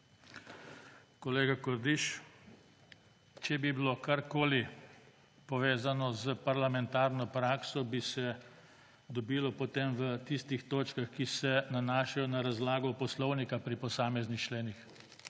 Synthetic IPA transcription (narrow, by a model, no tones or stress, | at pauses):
kɔleːɡakɔɾd̪iʃ | t͡ʃɛbibilokaɾkoːli | pɔʋeːzanɔzəpaɾlamɛnt̪aːɾnɔpɾaːksɔbisɛ | d̪ɔbiːlɔpɔt̪emʋət̪ist̪ixt̪oːt͡ʃkaxkisɛnanaːʃajɔnaɾazlaːɡɔpɔslɔwnikapɾipɔsaːmɛznixt͡ʃleːnix